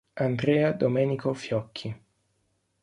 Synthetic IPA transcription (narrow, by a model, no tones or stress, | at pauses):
and̪ɾeːad̪omɛːnikofjɔkʰːi